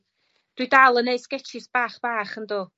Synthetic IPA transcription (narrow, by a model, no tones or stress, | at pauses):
d̥widalˠəneɨskɛtʰɪsb̥aːχb̥aːχəndoː